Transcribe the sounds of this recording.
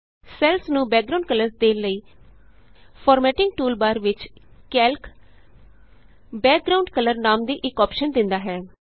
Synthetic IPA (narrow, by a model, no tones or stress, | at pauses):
sɛːlsnũːbɛːk̚ɡɾaʊɳɖkələɾsd̪eːnləiː | pʰɔːɾmɛːʈɪ̃ŋɡʈuːlbaːɾʋɪt͡ʃkɛːlk | bɛːk̚ɡɾaːʊɳɖkələɾnaːmd̪iːʔɪkɔːpʃənd̪ɪnd̪aːɦɛː